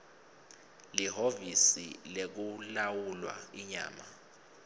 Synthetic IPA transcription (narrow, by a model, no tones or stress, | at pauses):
liɦovisḭlek̬ulawulwa̰iɲa̰ːma